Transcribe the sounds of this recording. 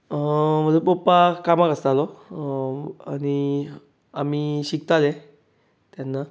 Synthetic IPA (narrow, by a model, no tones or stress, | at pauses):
m̤əd͡zupopːakamakəst̪alɔ | ani | amiɕik̚t̪alɛ̃ | t̪janːa